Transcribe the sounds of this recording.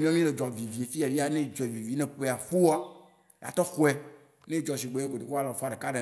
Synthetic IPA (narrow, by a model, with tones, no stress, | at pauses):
mĩ˦ã˦mĩ˦le˨d͡ʒɔ˨vi˨vi˨e˨fi˦a˨vi˦a˦nẽ˦˨d͡ʒɔ˨vi˨vi˨˦nẽ˨po˦e˨a˨fu˦wa˦˨ | a̰˨t̪ɔ˦xu˦ɛ˦ | nẽ˦d͡ʒɔ˨s̬i˨ɡ͡be˨˦bo˨ɖe˨ko˦a˦lɔ̃˨fa˨ɖe˨ka˦ɖe˨